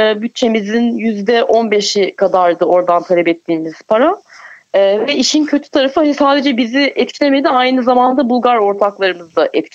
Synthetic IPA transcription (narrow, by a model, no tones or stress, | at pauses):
byt̪̚t͡ʃʰe̞mizinjyzd̪ɛʔo̞nbe̞ʃikʰad̪aɾd̪ɯo̞ɾd̪ant̪ʰalʲɛpɛt̪ʰːiːmiz̥pʰaɾaː | vɛiʃincʰø̞t̪ʰy̥t̪ʰaɾafɯɦɛsaːd̪e̞d͡ʒɛbiziʔɛt̪c̪ʲemed̪iajnɯzamand̪abulˠɡaɾo̞ɾt̪ʰaklˠaɾɯmɯzd̪aʔɛt̪